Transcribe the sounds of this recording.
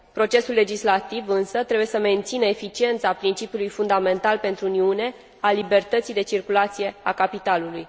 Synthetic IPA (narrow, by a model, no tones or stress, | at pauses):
pɾo̞t͡ʃe̞sulːe̞d͡ʒislat̪ivɨnsət̪ɾebuje̞səme̞nt̪sinəefit͡ʃie̞nt̪sapɾint͡ʃipiulujfund̪ame̞nt̪alpe̞nt̪ɾuuniune̞ | alibe̞rt̪ət̪sijd̪e̞t͡ʃirkulat̪sije̞akapit̪aluluj